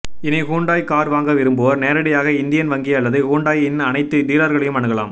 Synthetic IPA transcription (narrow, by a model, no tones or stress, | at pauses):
ɪniɦuːɳɖaːjkaːɾʋaːŋɡɐʋɪɾɯmbɯʋɐɾneːɾɐɽɐjaːɣɐɪnd̪ɪjɐnʋɐŋɡiɐlːɐðɯhuːɳɖaːjɪnːɐnɐɪt̪ːɯd̪iːlɐɾɣɐɭɛjɯmɐɳɯɣɐɭa̰ːm